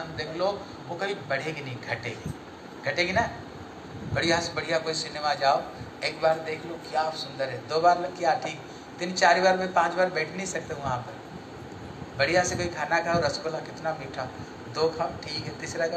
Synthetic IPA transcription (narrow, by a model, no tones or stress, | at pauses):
nd̪eːkʰlo | ʋokɐibɐɽ̤eɡinɐĩɡʱɐʈḛːɡi | ɡʱɐʈẽɡinɐ | bɐɽ̤ijasbɐɽ̤ijakoːisɪnemad͡ʒaːoeːkbaːɾd̪eːkʰlokjaːsʊ̃nd̪əɾɦɛd̪oːbaːɾlɐkjaːʈʰiːk | t̪ɪnt͡ʃaːɾibaːɾmẽpãːt͡ʃbaːɾbɛːʈʰneĩsɐk̚t̪eũʋɐɦãːpɐɾ | bɐɽ̤ijasekoːikʰaːnakʰaːoɾɐskolakɪt̪namiːʈʰa | d̪oːkʰamʈʰiːkɦɛt̪ɪsɾak